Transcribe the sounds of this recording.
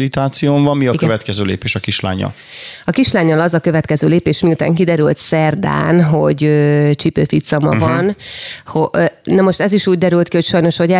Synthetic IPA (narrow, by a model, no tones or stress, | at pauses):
lit̪aːt̪sijoːɱvɒmːiɒikvɛt̪kɛzøːlḛːpeːʃɒkiʃla̰ːɲːɒ̰l | ɒkiʃlaːɲːɒlɒzɒkø̞vɛt̪kɛzøːleːpeːʃmiut̪a̰ːŋkid̪ɛɾylt̪sɛrd̪a̰ːnɦo̞ɟøːt͡ʃipøːfit̪sɒmɒ̰vɒnhonɛmo̞ʃt̪ɛziʃuːɟ̚d̪ɛɾylt̪kiho̞cʃɒjno̞ʃhoɟɛ